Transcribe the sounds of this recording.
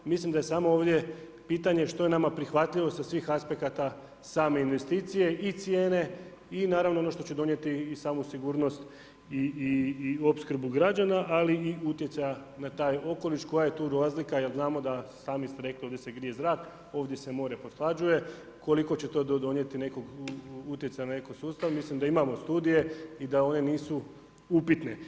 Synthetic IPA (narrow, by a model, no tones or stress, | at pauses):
mislimd̪aje̞saːmo̞oːʋd̪je̞ | piːt̪aɲe̞ʃt̪o̞je̞namapɾixʋat̪ʎiʋo̞sasʋiːxaspe̞kat̪a | saːme̞inʋe̞st̪iːt̪sije̞ʔit̪sje̞ːne̞ | inaːɾaʋnoonoʃt̪o̞t͡ɕe̞d̪o̞nje̞t̪iːsaːmusiɡuːɾno̞st̪ | i | o̞pskr̩buɡɾad͡ʒanaʔaliiut̪je̞t̪sajanat̪aːjo̞ko̞liʃko̞jaje̞t̪uːɾaːzlikajelznaːmo̞d̪asaːmist̪e̞ɾe̞klio̞ːdjeseɡɾije̞zɾaːk | o̞ːʋd̪je̞se̞mo̞ːɾeposlˠad͡ʒuje̞ | ko̞liko̞t͡ɕe̞t̪o̞d̪o̞ːd̪o̞nje̞t̪ine̞koɡut̪jesajanane̞kosuːst̪aʋmislimd̪aimamo̞st̪uːd̪ije̞id̪ao̞ne̞niːsu | upit̪ne̞